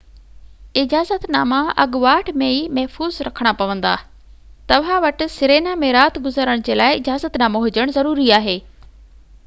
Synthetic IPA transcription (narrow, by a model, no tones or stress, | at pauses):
ɪd͡ʑaːzət̪naːmaʔɐ̰ɠʋaːʈʰmẽiːmɐɦfuːzɾɐkʰəɽ̃apɐʋə̃nd̪a̰ː | t̪ɐʋ̤ãʋɐʈʊ̆sɪɾeːnamẽɾaːt̪ɡʊzəɾəɽ̃d͡ʑeːlaːɪɪd͡ʑaːzət̪naːmoɦʊd͡ʑəɽ̃zɐɾuːɾiaːɦeː